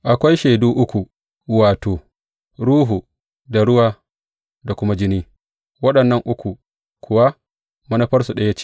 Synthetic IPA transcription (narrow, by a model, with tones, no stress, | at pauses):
ʔa˨kʷa˦jʃeː˨duː˦ʔʊ˦kʷu˨ | waː˨toː˨ | ɽuː˦ɦu˨ | da˨ɽʊ˦waː˦ | da˨kʷʊ˦ma˦d͡ʒɪ˦niː˦ | wɐ˦ɗɐ˨nːɐ˦ŋʔʊ˦kʷu˨ | kʷʰʊ˨wa˦ | mɐ˦nɐ˦ɸɐ˦rsu˨ɗɐ˦ja˦t͡ʃe̥˦